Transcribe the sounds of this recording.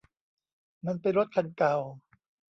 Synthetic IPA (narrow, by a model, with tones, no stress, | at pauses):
ma˧npa˧jɾo˦˥t̪̚kʰa˧nka˨˩w